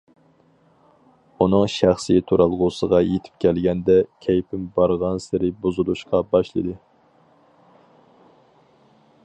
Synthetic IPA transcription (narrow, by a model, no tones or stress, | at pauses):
unɨŋʃæχsit̪ʰuɾɑlˠʁʊsəʁɑjet̪ʰɪ̥p̚kʲʰɛlɡʲɛnd̪ɛkʲʰɛjpʰɪmbɑɾʁɑnsɪɾɪbozɨlˠuʃqɑbɑʃlˠɨd̪ɨ